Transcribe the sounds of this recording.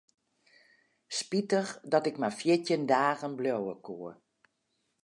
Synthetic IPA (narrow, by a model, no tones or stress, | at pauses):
spitəxdɔtɪkmafjɪtjəndaːɣənblowəkʰuə